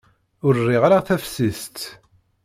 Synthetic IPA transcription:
ʊɾrːiʁaɾaʁθæfsist̪

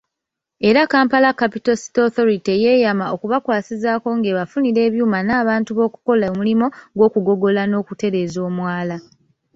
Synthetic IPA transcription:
e̞ɾakaːmpalakːapitosi̥toθo̞ɾiteje̞jamao̞kuβakwaːsizaːko̞ŋɡe̞βafuniɾe̞ːβjuːmanaːβaːntuβo̞ːku̥ko̞lamulimo̞ɡwo̞ːkuɡo̞ɡo̞lano̞ːkute̞ɾe̞ːzo̞ːmwaːla

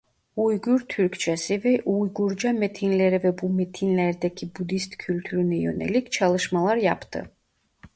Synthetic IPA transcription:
ujɡyɾt̪ʰyɾkʰt͡ʃʰɛsɛvɛʔujɡuɾd͡ʒamɛt̪ʰinlɛɾɛvɛbumɛt̪ʰinlɛɾd̪ɛkʰibud̪ist̪kʰylt̪ʰyɾnɛjɔ̰nɛ̰likʰt͡ʃʰalˠɨʃmalˠaɾjapʰt̪ʰɨ̰

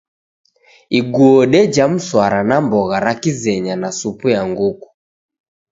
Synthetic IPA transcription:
iɡuɔɗɛd͡ʒam̩swaɾanambɔɣaɾakizɛɲanasupujaŋɡuku̥

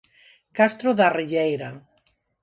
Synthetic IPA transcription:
kast̪ɾoðariʎejɾa

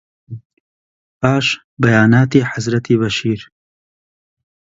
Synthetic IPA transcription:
aːʃ | bɐjaːnaːt̪iːħazɾɐt̪ʰiːβɐʃiːɾ

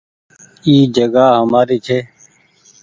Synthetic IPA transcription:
iːd͡ʒəɡaːɦəmaːɾiːt͡ʃʰeː

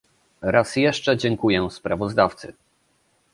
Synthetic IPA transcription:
ɾasjɛʂt͡ʂɛd͡ʑɛŋkujɛspɾavɔzd̪aft̪sɘ

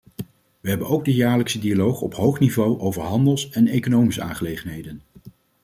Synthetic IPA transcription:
ʋəɦɛbənowɡ̚dəjaːɹləksədialowχɔ̰pɦowχnivowʔowvəɹɦɑndəlˠsɛnejkonowmisəa̰ːŋχəlejχənɦejdən

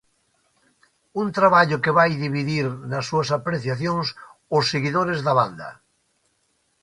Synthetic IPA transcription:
unt̪ɾaβaʎokeβajðiβiðiɾnasːuasapɾeθjaθjoŋsosːeɣiðoɾezðaβand̪ɐ̰

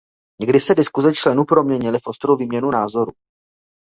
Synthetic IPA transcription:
ɲɛɡdɪsɛdɪskuzɛt͡ʃlɛnupɾo̞mɲɛɲɪlɪfʔo̞st̪ɾowviːmɲɛnunaːzo̞ɾu

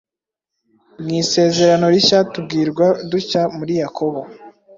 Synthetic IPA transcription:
mŋiːse̞ːze̞ɾano̞ɾiçaːtub̚ɡiːɾɡwaducamuɾijakʰo̞βo̞

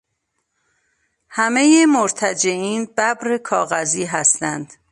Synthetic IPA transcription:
hæme̞jemoɾt̪ʰæd͡ʒe̞ʔiːnbæbɾekʰɒːɣæziːɦæst̪ænd̪̥

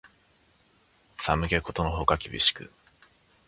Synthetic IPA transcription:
samɯ̟ke̞ko̞t̪o̞no̞ɦo̞kakʲibʲḭɕi̥kɯ̟̰

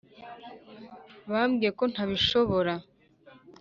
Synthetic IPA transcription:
βamɡijeko̞n̥haβiʃo̞βo̞ɾa

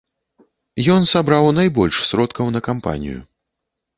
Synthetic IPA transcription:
jɔnsabɾawnajbɔlʲʂsʲɾɔt̪kʰɐwnɐkampa̰nʲḭjṵ

